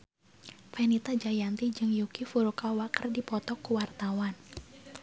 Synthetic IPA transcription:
fɛnit̪ad͡ʒajant̪id͡ʒɨŋjukifuɾukawakərdipɔt̪ɔkuwart̪awan

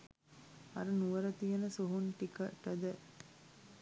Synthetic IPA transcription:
ɐ̰ɾunuʋɐɾɐt̪ijɐnɐsoɦunʈikɐʈːɐd̪ə

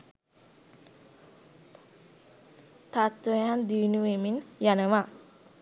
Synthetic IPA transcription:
t̪at̪ʋəjand̪iʋnuʋeminjanəʋa

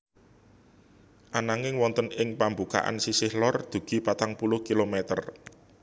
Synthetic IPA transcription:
ʔanaŋɪŋwɔnt̪ənɪŋpambuka̰ʔa̰nsisɪhlɔrd̪̥ṳɡ̥i̤pat̪aŋpulʊhkilomɛt̪ə̰r

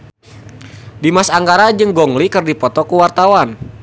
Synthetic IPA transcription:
dimasaŋɡaɾad͡ʒɨŋɡɔŋlikɨrdipɔt̪ɔkuwart̪awan

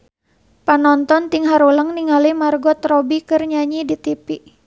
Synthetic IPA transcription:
panɔnt̪ɔnt̪iŋɦaɾuləŋniŋalimarɡɔt̪rɔbikɨrɲaɲidit̪ipiʔ

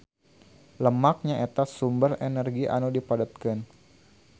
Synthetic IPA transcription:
ləmak̚ɲaet̪asumbərenɛrɡiʔa̰nodipadət̪̚kɪn

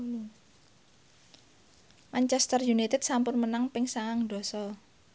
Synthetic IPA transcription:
maɲt͡ʃɛst̪ərjunit̪ɛd̪̥sampʊnmənaŋpɪŋsaŋaŋɖ̪̥ɔ̤sɔ

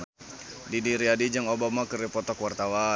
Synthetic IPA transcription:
didiɾiadid͡ʒaŋobamakəɾipɔt̪ɔkwart̪awa

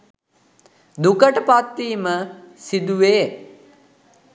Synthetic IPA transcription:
d̪ukəʈəpat̪ːiːməsid̪uʋeː

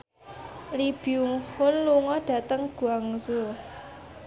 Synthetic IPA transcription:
lib̥iuŋhʊnluŋɔɖ̥ä̤t̪əŋɡ̥ṳaŋzo

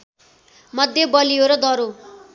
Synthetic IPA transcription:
mʌd̪ʱjʌbʌlioɾʌd̪ʌɾo

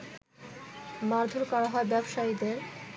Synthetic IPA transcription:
maɾd̪ʱoɾkɔɾaɦɔebɛbʃaid̪eɾ

